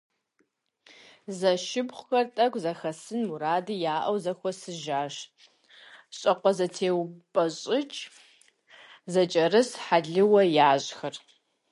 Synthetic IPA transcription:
zɐʃɪbχʷʊxɐrtʼɐkʷzɐxɐsɨnmuɾaːdɨjaːʔɐwzɐxʷɔsɨʒaːʃ | ɕʼɐqʷɔzɐtʰeːwpʼɐɕʼɪt͡ʃʼ | zɐt͡ʃʼɐrɨsħaɮɨwɐjaːʑxɐr

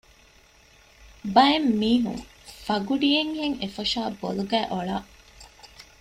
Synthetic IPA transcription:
bɐemːiːɦṵŋ | fɐɡuɖijeŋheŋefɐʃaːboluɡæːʔoɭaːʔ

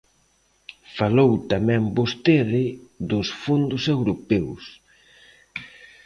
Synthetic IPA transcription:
falowt̪amɛ̃mbost̪eðɪðʊsfund̪ʊsewɾopɛws

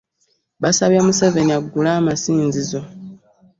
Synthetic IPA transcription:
βasaβjamuseve̞ɲiaɡːulaːmasiːnzizo̞

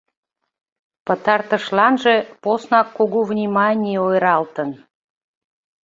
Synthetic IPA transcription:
pət̪ɑrt̪ə̆ʃlɑnʒeposnɑkːuɣuvnʲimɑnʲijeojɾɑlt̪ən

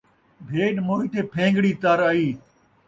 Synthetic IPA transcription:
bʱeːɗmoːiːt̪ʰeːpʰẽːŋɡɽiːt̪əɾaiː

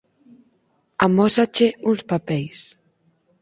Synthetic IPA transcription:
amɔsat͡ʃeunspapɛjs

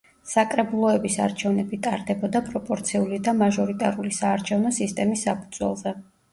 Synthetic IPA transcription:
sakʼɾɛbulˠɔɛbisa̰ɾt͡ʃʰɛvnɛbit̪ʼaɾd̪ɛbɔd̪apʼɾɔpʼɔɾt̪sʰiulid̪amaʒɔɾit̪ʼaɾulisaːɾt͡ʃʰɛvnɔsist̪ʼɛmisːapʰud̪z̥wɛ̰lˠzɛ

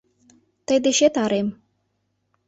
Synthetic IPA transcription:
t̪əjd̪eʃet̪ɑɾem

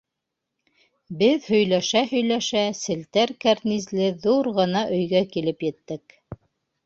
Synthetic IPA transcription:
bɘðhɵ̆jlæʃæhɵ̆jlæʃæsɘ̆lt̪æɾkæɾnizlɘðuɾʁɤ̆nɑʔɵ̆jɡækilɘpjɘ̆t̪ːɘk

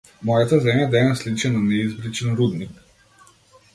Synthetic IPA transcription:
mɔːjat̪azɛmjad̪ɛnaslit͡ʃɛnanɛizbɾit͡ʃənɾud̪nik

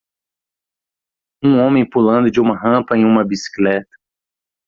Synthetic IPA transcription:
ũõmẽj̃pulɐ̃nd̪ʊd͡ʒɪũmɐɦɐ̃pɐẽj̃ũmɐbisi̥klɛt̪ɐ̥

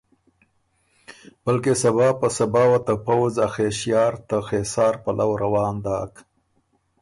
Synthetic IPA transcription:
balkesabɑːpəsabɑːwat̪apawzaxeʃjɑːɾt̪axesɑːɾpalʔawɾawɑːnd̪ɑːk

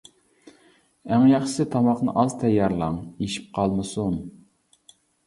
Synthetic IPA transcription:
æŋjɑχʃɪ̥sɪt̪ʰɑmɑqnɨ̰ʔɑz̥t̪ʰɛjːɑɾlˠɑŋeʃi̥p̚qʰɑlˠmɨsun

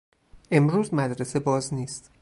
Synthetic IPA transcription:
ʔe̞mɾuːzmæd̪ɾese̞bɒːzniːst̪

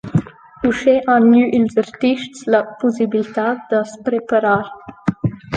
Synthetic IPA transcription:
uʃeʔanyʔilzaɾt̪iʃtsləpusibilit̪at̪d̪əspɾepaɾaɾ

